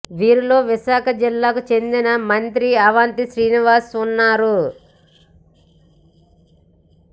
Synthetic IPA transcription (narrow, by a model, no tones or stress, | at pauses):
ʋiːɾulo̞ːʋiʃaːkʰɐd͡ʒilːaːkut͡ʃe̞nd̪inɐmɐnt̪ɾiɐʋaːnt̪iʃɾiːniʋaːsunːaːɾu